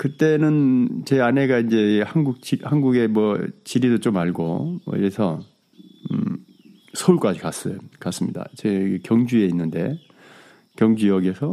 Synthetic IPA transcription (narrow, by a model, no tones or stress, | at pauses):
kɯt͈e̞nɯnt͡ɕe̞ane̞ɡaind͡ʑe̞hanɡuk̚t͡ɕihanɡuɡe̞mwʌt͡ɕiɾidot͡ɕ͈omaɭɡo̰mʌ̰ḭɾesʰʌ | sʰʌuɭk͈ad͡ʑikas͈ʌkas͈ɯmɲḭda̰t͡ɕekjʌŋd͡ʑue̞inːɯnde̞ | kjʌŋd͡ʑujʌɡesʰʌ